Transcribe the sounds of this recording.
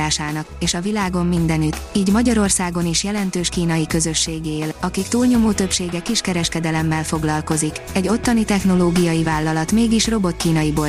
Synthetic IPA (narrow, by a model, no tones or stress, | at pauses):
aːʃaːnɒkeːʃɒvilaːɡo̞mːind̪ɛnyt̪iːɟmɒɟɒɾo̞rsaːɡo̞niʃjɛlɛnt̪øːʃkiːnɒjikø̞zø̞ʃːeːɡelɒkikt̪uːlɲomoːt̪ø̞pʃeːɡɛkiʃkɛɾɛʃkɛd̪ɛlɛmːɛlfo̞ɡlɒlko̞zikɛɟːo̞t̪ːɒnit̪ɛxno̞loːɡijɒjivaːlːɒlɒt̪meːɡiʃro̞bo̞t̪kiːnɒjiboː